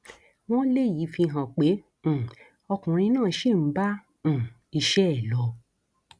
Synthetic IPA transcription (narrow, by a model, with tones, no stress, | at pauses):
w̃ɔ̃˦le˦˨ji˨˦fi˧ɦã˨k͡pẽ˨˦˨ | ɔ˧kũ˨ɾ̃ĩ˧nãː˦˨ʃi˦˨m̩˨˦bã˦˨ | i˧ʃɛ˦ɛ˦˨lɔ˧˦